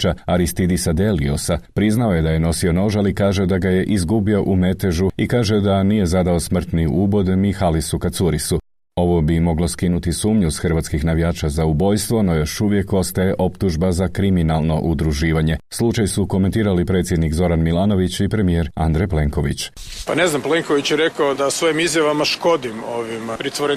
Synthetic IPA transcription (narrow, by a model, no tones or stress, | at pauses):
t͡ʃaaɾist̪id̪isad̪e̞lḭosapɾiznao̞je̞d̪aje̞no̞sio̞no̞ʒalikaːʒed̪aɡaje̞ʔizɡubio̞ʔume̞t̪eʒuikaːʒe̞d̪anije̞zad̪ao̞smr̩t̪niubo̞d̪emixalisukat̪suɾisu | o̞ʋo̞bimo̞ɡlo̞skinut̪isuːmɲusxrʋat̪kixnaʋijaːt͡ʃazaubo̞jst̪ʋo̞no̞jo̞ʃuʋje̞ko̞st̪ajeʔo̞pt̪uʒbazakɾiminalˠno̞ʔud̪ɾuʒiːʋaɲe̞slˠut͡ʃajsuko̞ment̪iːɾalipɾe̞t̪sjed̪nikzo̞ɾanmilˠaːno̞ʋit͡ɕipɾe̞mije̞ɾa̰nd̪ɾeple̞ŋko̞ʋḭt͡ɕ | pane̞znampleŋkoʋit͡ɕjeɾekaod̪asʋo̞jimizjaʋamaʃko̞d̪imoʋimpɾit̪ʋoɾe